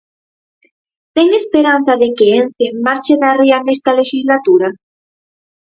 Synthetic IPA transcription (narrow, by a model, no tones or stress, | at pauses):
t̪eŋespeɾanθaðekeenθemmaɾt͡ʃenarianest̪aleʃizlat̪uɾa